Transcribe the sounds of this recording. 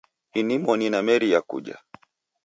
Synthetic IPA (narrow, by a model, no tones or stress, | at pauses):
inimɔninamɛɾijakṵʄa̰